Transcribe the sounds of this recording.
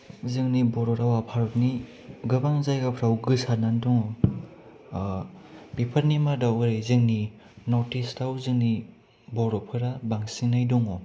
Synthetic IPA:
zɯŋnibɔɾɔɾawapʰaɾɔt̚ni | ɡɯbaŋzajɡapʰɾawɡɯsanandɔŋɔ | pipʰaɾnimadawɯɾɯjzɯŋni | nɔtistawzɯŋni | bɔɾɔpʰɯɾabaŋsinajdɔŋɔ

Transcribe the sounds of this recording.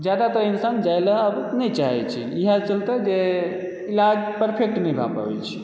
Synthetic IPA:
d͡ʒad̪at̪ɔinsand͡ʒajləɦəbnɛt͡ʃaɦɛt͡ʃʰḭiɦat͡ʃəlt̪əd͡ʒe | ilad͡ʒpəɾpʰek̚ʈnɛjbʱa̰pa̰bɛ̰t͡ʃʰi̥

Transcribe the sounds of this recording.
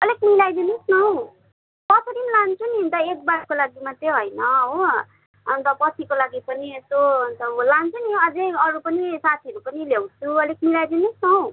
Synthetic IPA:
ʌlekmilajd̪inesnʌw | pʌt͡sʰʌɾimlant͡sʰunint̪ʌek̚baɽkolaɡimat̪eɦʌjnʌɦo | ʌnt̪ʌpʌtʰikolaɡipʌniest̪oʌnt̪ʌlant͡sʰuniʌd͡zeʌɾupʌnisat̪ʰiʌɾupʌnilewt͡sʰuʌlek̚milajd̪inusnʌw̃

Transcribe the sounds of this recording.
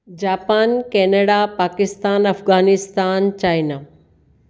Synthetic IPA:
d͡ʑaːpaːnkɛːnəɽapaːkɪst̪aːnɐfɡaːnɪst̪aːnt͡ɕaːjna

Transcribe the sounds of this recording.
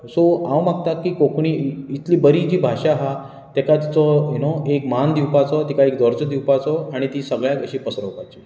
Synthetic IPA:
soãwmakt̪akːiːkokɳ̃iːit̪liːbəɾid͡ʑiːbʱaʂaɦa | t̪ɛkat̪it͡sɔɦinoekmand̪iwpat͡sɔt̪ikaekd̪əɾd͡zəd̪iwpat͡sɔaɽ̃it̪iːsəɡɭjakəɕiːpəsɾəwpajt͡ɕi

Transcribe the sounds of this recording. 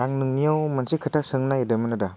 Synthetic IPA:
aŋnɯŋnijawmansikʰɯtʰasɯŋnajidɯmɯnɯda

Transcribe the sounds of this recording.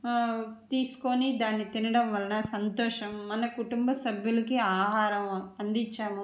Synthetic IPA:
t̪iːsu̥konid̪aːnːit̪inɐɽɐmʋɐlɐnɐsɐnt̪ɔːʂɐmːɐnɐkuʈumbɐsɐbʱjulɐkiaːɦaːɾɐmɐnd̪iɲt͡ʃːaːmu

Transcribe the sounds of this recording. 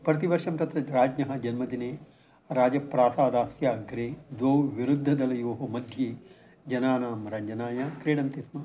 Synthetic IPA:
pɾɐt̪iʋɐɾʂɐmt̪ɐt̪ɾɐɾaːd͡ʒnɐɦɐ̆d͡ʒɐnmɐd̪ineː | ɾaːd͡ʒɐpɾaːsaːd̪aːsjaːɡɾeːd̪ʋoːwʋiɾud̪ʱːɐd̪ɐlɐjoːɦɐmɐd̪ʱje | d͡ʒɐnaːnaːmɾɐɲd͡ʒɐnaːjɐkɾeːɽɐnt̪ismɐ

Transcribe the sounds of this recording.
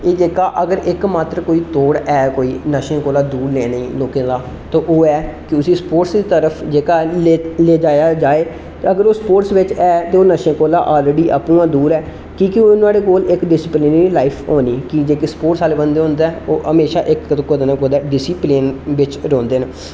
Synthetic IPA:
eːd͡ʒeːkaːʔəɡəɾɪkmaːt̪ɾəkoːiːt̪oːɽɛːkoːiːnəʃẽːkoːlaːd̪uːɾneːnəĩːloːkẽːd̪aː | t̪õːʔoːɛːkɪʊsiːspoːʈsd̪iːt̪əɾəpʰd͡ʒeːkaːleːleːd͡ʒaːjaːd͡ʒaːeː | t̪eːəɡəɾoːspoːʈsʋɪt͡ʃɛːt̪eːoːnəʃẽːkoːlaːʔaːleːɖiːʔə̰pũːãːd̪uːɾɛː | kiːkɪonaːɽeːkoːlɪkɖɪsɪplɪnɾiːlaːɪpʰoːniːkid͡ʒeːkispoːʈsaːlebənd̪eːɦõːnd̪aːoːʔəmeːʃaːʔɪkt̪okoːd̪nãːkoːd̪ɛːɖɪsiːplenʋɪt͡ʃɾõːnd̪eːnː

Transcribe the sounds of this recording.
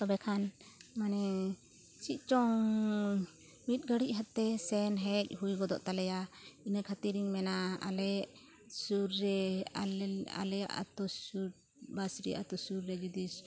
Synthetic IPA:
t̪ɔbɛkʰan | manɛ | t͡ʃic̪̚ˀt͡ʃɔŋ | mit̪̚ˀɡəɽiʔ̚ɦat̪ːɛsɛnɦɛc̚ˀɦujɡɔd̪ɔʔt̪alɛjainəkʰat̪iɾiŋmɛnaa̰lɛ | suɾːɛaa̰lɛja̰ʔa̰t̪ɔsuɾ | basɾḭa̰ʔat̪ɔsuɾːɛd͡ʒud̪is

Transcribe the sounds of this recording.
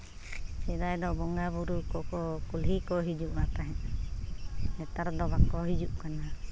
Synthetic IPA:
sɛdajd̪ɔbɔŋɡabuɾukɔkɔkulɦikɔɦid͡ʒuʔwapaɦɛ̃ʔ | ɛt̪aɾd̪ɔbakɔɦid͡ʒuʔkana

